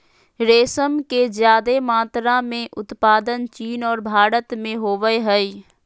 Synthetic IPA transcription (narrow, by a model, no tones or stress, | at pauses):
ɾeːsəmkezjaːd̪emaːt̪ɾãmẽʔʊt̪paːd̪ənt͡ʃiːnɔːɾbʱaːɾət̪mẽɦoːʋəeɦɛi